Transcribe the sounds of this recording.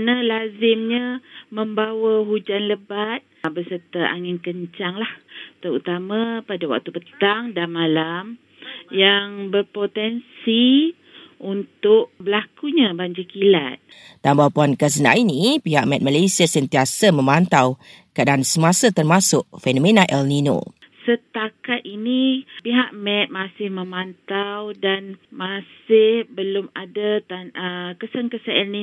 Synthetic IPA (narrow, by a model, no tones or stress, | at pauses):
nalazɪmɲãməmbawaɦud͡ʒanləbat̪̚bəsərt̪əʔa̰ŋɪnkəɲt͡ʃaŋlaht̪əɾut̪amãpadawa̰k̚t̪ubət̪aŋdamãlam | jaŋbərpot̪ɛnsi | unt̪ʊʔ̚bəlakuɲãbaɲd͡ʒikila̰t̪̚ | t̪ambawpuankəs̬əna̰ʔinĩpiɦaʔ̚mɛt̪̚malasiasənt̪iasamə̃mãnt̪aw | kaʔadaansəmasat̪ərmasʊʔfɛnõmẽnaʔɛlnino̰ | sət̪akat̪̚inipiɦaʔmɛ̃t̪̚masɪhmə̃mãnt̪awdanmasɪhbəlʊmadat̪anəkəsənkəsəɛlni